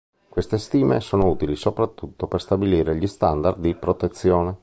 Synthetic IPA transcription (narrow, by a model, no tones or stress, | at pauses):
kwest̪est̪iːmḛsoːnouːt̪ilisopɾat̪ːut̪ːoperst̪abiliːɾeʎist̪and̪ard̪d̪ipɾot̪et̪sːjoːne